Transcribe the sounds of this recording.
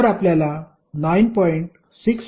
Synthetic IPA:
ɾapljala | najnpɔjɳʈ | siks

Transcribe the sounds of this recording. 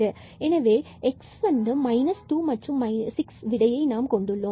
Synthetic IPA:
ɐ | ɛnɐʋeː | ɛksʋɐnd̪ɯmɐɪnɐsʈuːmɐʈrʊ̃mːɐɪnsɪksʋɪɽɐjɐɪnaːmkɔɳɖɯɭːõː

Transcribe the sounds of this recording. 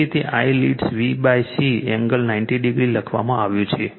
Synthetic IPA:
it̪eʔaijliʈsʋibajsiɛŋɡəlnainʈiɖiɡɾiləkʰʋa̰mãaʋjũt͡ʃʰe

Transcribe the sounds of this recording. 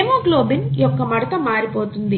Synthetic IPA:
emoːɡloːbinjɔkːɐmɐɽɐt̪ɐmaːɾipoːt̪und̪i

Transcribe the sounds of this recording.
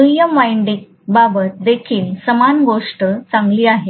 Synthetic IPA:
ujəmʋajɳɖik̚ | babət̪̚d̪ekʰiːlsəmanɡoʂʈət͡sãŋɡliːaɦe

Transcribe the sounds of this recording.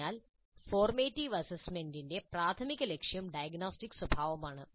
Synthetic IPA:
aːl | foːrmeːtːiʋɐsesmendinde̞praːt̪ʰɐmiɣːɐle̞kʂjɐmɖɐjɐɡnoːstikːɨ̥swɐbʱaːʋɐmaːɳɨ

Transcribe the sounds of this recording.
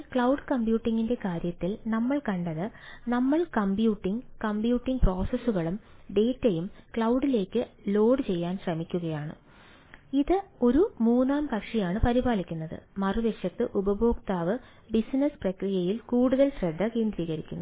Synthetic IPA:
kɭɐwɖɨkɐmbjuːʈːiŋɡinde̞kaːɾjɐt̪ːilnɐmːɐɭkɐɳɖɐðɨnɐmːɐɭkɐmbjuːʈːiŋkɐmbjuːʈːiŋɡpro̞ːsɐsuɣɐɭumɖe̞ːtːɐjumkɭɐwɖile̞ːkːɨlo̞ːɖɨt͡ɕe̞jːaːnɕrɐmikʲːuɣɐjaːɳɨ̰ | iðɨo̞ɾumuːnːaːmkɐkʂijaːɳɨpɐɾibaːlikʲːunːɐðɨ̰mɐruʋeʂjɐt̪ːɨʔubɐbo̞ːkt̪aːʋɨ | bisnɐsprɐkrijɐjilkuːɽuðɐlɕrɐd̪ʱːɐkeːnd̪ɾiːɣɐɾikʲːunːu

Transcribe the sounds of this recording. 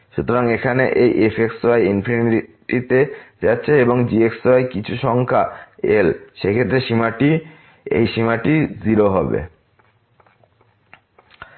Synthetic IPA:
ʃut̪oɾaŋekʰanḛʔejʔefeksajinpʰiniʈit̪ed͡ʑatːɕʰeeboŋd͡ʑieksajkit͡ɕʰuʃɔŋkʰa̰elʃekʰet̪ːɾeʃimaʈi | ḛjʃimaʈiziɾoɦɔbḛ

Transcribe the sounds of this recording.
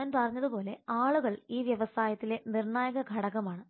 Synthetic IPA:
aːnpɐrɐɲːɐðupo̞ːle̞̰aːɭuɣɐɭiːʋjɐʋɐsaːjɐt̪ːile̞nirɳaːjɐɣɐɡʱɐɽɐɣɐmaːɳɨ

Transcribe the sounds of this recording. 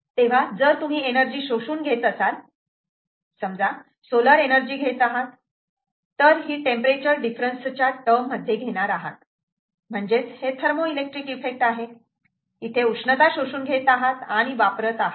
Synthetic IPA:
t̪eʋ̤ad͡zəɾt̪um̤iːenəɾd͡ʑiːɕoɕuːnɡʱet̪əsal | səmd͡za | soləɾenəɾd͡ʑiːɡʱet̪aɦat̪ː | əɾɦiːʈempəɾet͡ɕəɾɖifɾənst͡ɕjaʈəmːəd̪ʱːjeɡʱeɽ̃aɾaɦa̰t̪ | m̤əɳd͡zet͡shet̪ʰəɾmoilek̚ʈɾikifek̚ʈaɦe | it̪ʰeukʂɳət̪aɕoɕuːnɡʱet̪aɦat̪aɽ̃iʋapɾət̪aɦa

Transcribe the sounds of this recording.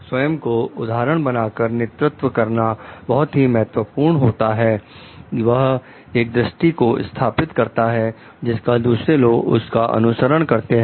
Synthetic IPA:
swɐjəmkoʊd̪ʱaːɾəɽ̃bɐnaːkəɾnɪt̪ɾʊt̪wʋəkɐɾnabɐɦʊt̪ɦimɛɦət̪ʋəpuːɾɳɦoːt̪aɦɛː | ʋɐɦ | eːk̚d̪ɾəʃʈikoɪ̰st̪ʰaːpɪt̪kɐɾt̪aɦɛ | d͡ʒɪskad̪uːsɾeloːɡʊ̰skaʔɐ̰nʊsəɾəɽ̃kɐɾt̪eɦɛ̃

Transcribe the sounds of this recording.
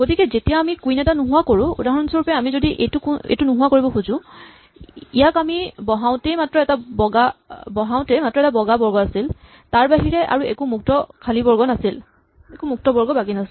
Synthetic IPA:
ɡ̥otikɛzetijaamikujnɛtanuɦʊwakoɹʊ̃ṵdaɦɔɔnsɔɹupɛamizodiʔḛjtʊkḛjtunʊɦuwakoɹibɔxuzʊ̃ | ijakamibɔɦaw̃tɛjmatɹɔɛtabɔɡabɔɦaʊ̃tɛjmatɹɔɛtabɔɡabɔɹɡɔasil | taɹbaɦiɹɛʔa̰ɹuekumuk̚tɔkʰalibɔɹɡɔnasil | ekumuk̚tɔbɔɹɡɔbakinas

